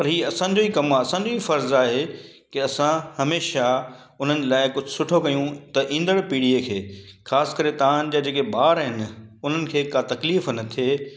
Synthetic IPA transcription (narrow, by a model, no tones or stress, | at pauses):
pɐɾɦiːɐsãːɲ̆d͡ʑoːikɐmaɐsãɲ̆d͡ʑoifɐɾzaːɦe | kɪɐsãhɐmeːʃa | ʊn̤ənlaːɪkʊd͡ʑʱʊsʊʈʰokɐjũt̪ɐʔĩːn̆d̪əɽpiːɽiekʰeːxʰaːsɪ̥̆kɐɾet̪aan̆d͡ʑaːd͡ʑeːkebaːɾɦɪnɪʊn̤ənɪ̆kʰeːkat̪ɐkliːfnɐt̪ʰeː